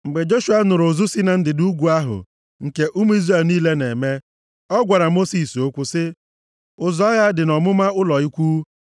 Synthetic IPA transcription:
ŋ͡m̩˨ɡ͡be˨d͡ʒo˦ʃu˨˦a˦nʊ˨ɾʊ˨zʊ˦si˦na˨n̩˦dɪ˨du˦ɡʷu˨a˦ɦʊ̰˨ | ŋ̩˨ke˦ʔu˦m˦i˦zre˦˨lniː˦le˦ne˨me˦ | ɔ˦ɡʷa˨ɾa˨mo˦si˨so˦kʷʊ˦sɪ˦ | ʊ˨zɔ˦ja˦dɪ˨nɔ˨mʊ˦ma˦ʊ˦lɔ˨i˦kʷu˦

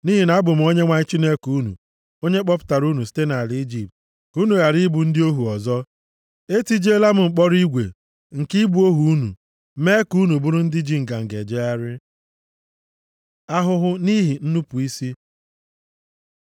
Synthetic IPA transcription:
ni˦ɦi˨na˨˦a˦bʊ˨m̩˨˦o˦ɲe˦ŋʷa˦ɲ˦t͡ʃi˦ne˦ku˦nṵ˨ | o˦ɲe˦k͡pɔ˦pʊ̥˦ta˨ɾu˦nu˨si̥˦te˦na˨li˦i˦d͡ʒi˨p̚t | ku˦nu˨ɣa˨ɾi˦bu˨n̩˦dɪ˦o˦ɦu˨ɔ˨zɔ˦ | e˦ti˦d͡ʒe˦la˦m̩˦ŋ͡m̩˨k͡pɔ˦ɾi˦ɡʷḛ˨ | ŋ̩˨ki˦bu˨˦o˦ɦu˨u˦nṵ˨˦ | me˦ku˦nu˨bu˦ɾʊ˦n̩˦dɪ˦d͡ʒi˦ŋ̩˨ɡa˨ŋ̩˨ɡe˨d͡ʒe˦a˦ɾɪ˦ | a˦ɦʊ˦ɦʊ˦ni˦ɦi˨n̩˦nu˦pu˨i˦si˦

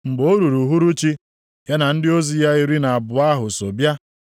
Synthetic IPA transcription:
ŋ͡m̩˨ɡ͡bo˦ɾu˨ɾu˨ɦu˦ɾu˦t͡ʃi˦ | ja˦na˨n̩˦dɪ˦o˦zi˨ja˦i˦ɾi˦na˨a˨bʊ˨a˦ɦʊ˨so˨bja˦

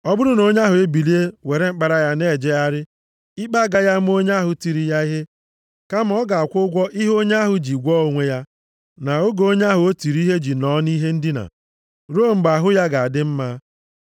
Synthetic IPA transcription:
ɔ˦bʊ˦ɾʊ˦no˦ɲa˦ɦʊ˨e˦bi˨li˦e˦we˨ɾe˦ŋ͡m̩˦k͡pa˨ɾa˦ja˦ne˦˨d͡ʒe˦a˦ɾɪ˦ | i˦k͡pa˦˨ɡa˦ja˦m̩˦o˦ɲa˦ɦʊ˨ti˨ɾi˨ja˦i˦ɦe˦ | ka˦m˦ɔ˦ɡa˨a˨kʷʊ˦ɡʷɔ˦ʔi˦ɦo˦ɲa˦ɦʊ˨d͡ʒi˨ɡʷɔ˦o˦ŋʷe˦ja˦ | na˨o˦ɡo˦ɲa˦ɦʊ˨o˦ti˨ɾi˦ɦe˦d͡ʒi˨nɔ˦ni˦ɦe˦n̩˦dɪ˦na̰˨ | ɾo˦˨m̩˦ɡ͡ba˨ɦʊ˦ja˦ɡa˨a˨dɪ˦m̩˦ma˦

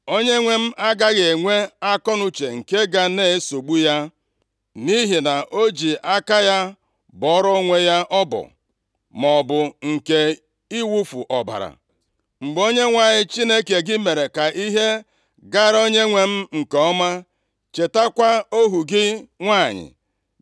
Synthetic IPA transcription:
o˦ɲe˦ŋʷe˦m̩˦ʔa˦ɡa˦ɣe˨ŋʷe˦a˦kɔ˦nʊ˦t͡ʃe˨ŋ̩˨ke˦ɡa˨ne˦so˨ɡ͡bu˦ja˦ | ni˦ɦi˨na˨ʔo˦d͡ʒi˨ʔa˦ka˦ja˦ | bɔ˨ɔ˦ɾɔ˦ŋʷe˦ja˦ʔɔ˦bɔ̰˨ | mɔ˨bʊ˨ŋ̩˨ke˨ | i˦wu˦fu˨ʔɔ˨ba̰˨ɾa̰˨ | ŋ͡m̩˨ɡ͡bo˦ɲe˦ŋʷa˦˨ɲɪ˦t͡ʃi˦ne˦ke˨ɡɪ˦me˨ɾe˨ka˨ʔi˦ɦe˦ | ɡa˦ɾo˦ɲe˦ŋʷe˦m̩˦ŋ̩˨kɔ˨ɔ˦ma˦ | t͡ʃe˨ta˦kʷa˦o˦ɦu˨ɡɪ˦ŋʷa˦˨ɲɪ̰˨

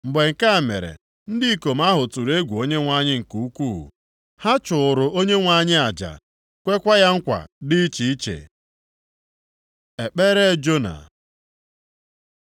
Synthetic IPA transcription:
m̩˨ɡ͡be˨ŋ̩˨ka˦a˨me˨ɾḛ˨ | n̩˦dɪ˦i˦ko˨m̩˦a˦ɦʊ˨tu˨ɾe˦ɡʷu˨o˦ɲe˦ŋʷa˦ɲɪ˦ŋ̩˨ku˨u˦kṵ˦˨ | ha˦t͡ʃʊ˨ɾʊ˨o˦ɲe˦ŋʷa˨ɲɪ˦a˨d͡ʒa̰˨ | kʷe˦kʷa˦ja˦ŋ̩˦kʷa̰˨dɪ˦i˦t͡ʃi˨i˦t͡ʃḛ˨ | e˨k͡pe˦ɾe˦d͡ʒo˦na̰˨

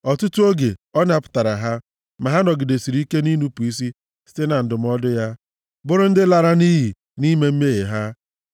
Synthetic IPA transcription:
ɔ˨tʊ˦tu˦o˦ɡe˨ɔ˦n˦a˨pʊ̥˨ta˨ɾa˨ɦa˦ | ma˨ɦa˦nɔ˨ɡɪ˨de˨si˨ɾi˨˦i˦ke˦ni˦nu˦pu˨i˦s̬i˦ | si̥˦te˦na˨n̩˨dʊ˨m̩˦ɔ˦dʊ˦ja˦ | bʊ˦ɾʊ˦n̩˦dɪ˦la˨ɾa˦ni˦ɦi˨ | ni˦me˦m̩˦me˦ɦe˨ɦa˦

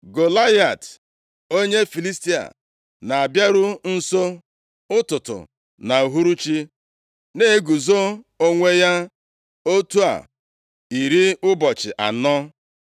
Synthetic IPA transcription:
ɡo˨la˦ja˨t | o˦ɲe˦fi˨li˦sti˦a̰˨ | na˨a˨bja˦ɾʊ˦n̩˦so˦ | ʊ˦tʊ˨tʊ̰˨ | na˨u˨ɦu˦ɾu˦t͡ʃi˦ | ne˦ɡu˨zo˦o˦ŋʷe˦ja˦ | o˦tu˦a̰˨ | i˨ɾi˦ʊ˦bɔ˨t͡ʃɪ̰˨ʔa̰˨nɔ˦

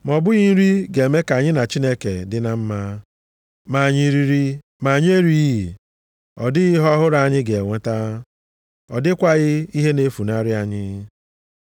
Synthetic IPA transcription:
m˨ɔ˨bʊ˦ɣi˦n̩˦ɾi˦ɡe˨me˦ka˨ɲɪ˦na˨t͡ʃi˦ne˦kḛ˨dɪ˦na˨m̩˦ma˦ | ma˨ɲi˨ɾi˨ɾi˦ | ma˨ɲ˦e˦ɾi˦i˨ | ɔ̰˨dɪ˦ɣɪ˦ɦɔ˦ɦʊ˦ɾa˦a˨ɲɪ˦ɡe˨e˨ŋʷe˦ta˦ | ɔ̰˨dɪ˦kʷa˦ɣɪ˦i˦ɦe˦ne˦fu˨na˦ɾɪ˦a˨ɲɪ˦

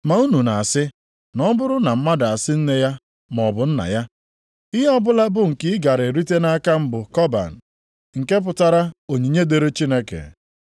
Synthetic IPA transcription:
ma˨u˦nu˨na˨a˨sɪ˦ | nɔ˦bʊ˦ɾʊ˦na˨m̩˦ma˦da˨a˨sɪ˦n̩˦ne˦ja˦ | mɔ˨bʊ˨n̩˦na̰˨ja˦ | i˦ɦe˦ɔ˦bʊ˦la˦bʊ˦ŋ̩˨kɪ˦ɪ˦ɡa˨ɾe˨ɾi˦te˦na˦ka˦m̩˦bʊ˨kɔ˦ba̰˨n̩˨ | ŋ̩˨ke˦p̬ʊ˨ta˦ɾa˦o˨ɲi˨ɲe˦de˨ɾe˦t͡ʃi˦ne˦kḛ˨

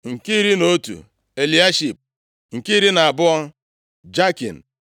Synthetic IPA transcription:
ŋ̩˨ki˦ɾi˦no˦tṵ˨ | e˨li˨˦a˦ʃi˨p̚ | ŋ̩˨ki˦ɾi˦na˨a˨bʊ˦ɔ˦n˦ | d͡ʒa˦kḭ˨n̩˨

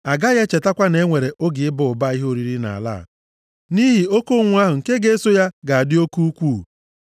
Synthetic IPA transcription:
a˨ɡa˦ɣe˦t͡ʃe˨ta˦kʷa˦ne˦ŋʷe˨ɾe˨ʔo˦ɡɪ˨ɪ˦bʊ˨ʊ˨ba˦i˦ɦo˦ɾi˦ɾi˦na̰˨a̰˨la̰˦˨ | ni˦ɦi˨o˦ko˦ŋʷʊ˦a˦ɦʊ˨ŋ̩˨ke˦ɡe˦e˦so˦ja˦ɡa˨a˨dɪ˦o˦ku˦u˦kʷuː˦˨

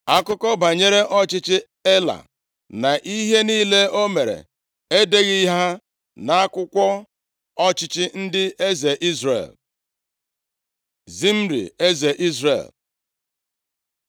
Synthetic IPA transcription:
a˦kʊ˦kɔ˦ba˨ɲe˦ɾe˦ʔɔ˦t͡ʃɪ˦t͡ʃɪ˦ | e˦la̰˨ | na˨ʔi˦ɦe˦niː˦le˦o˦me˨ɾḛ˨ | e˦de˦ɣi˦ɦa˦ | na˨a˦kʷʊ˦kʷɔ˦ | ɔ˦t͡ʃɪ˦t͡ʃɪ˦n̩˦dɪ˦e˦ze˨ʔi˦zɾḛ˨l | zi˦m̩˦ɾḭ˨e˦ze˨ʔi˦zɾḛ˨l

